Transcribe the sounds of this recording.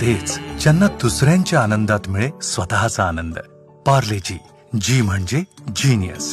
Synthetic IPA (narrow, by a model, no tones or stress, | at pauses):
t̪et͡st͡ɕanːad̪usɾjãɲt͡ɕjaːnənd̪at̪miɭesʋət̪aɦat͡saːnənd̪ə | paɾlet͡ɕiː | d͡ʑiːm̤əɳd͡ʑed͡ʑiːnijə̰s